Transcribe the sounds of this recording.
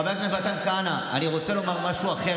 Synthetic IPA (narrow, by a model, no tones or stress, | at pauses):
abekmevat̪ankanaaniʁo̞t͡se̞lo̞maʁmaʃuaχe